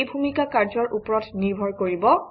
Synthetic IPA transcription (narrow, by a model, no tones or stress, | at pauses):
jbʱumikakaɹzɔɹʔupɹɔtniɹbʱɔɹkoɹibɔ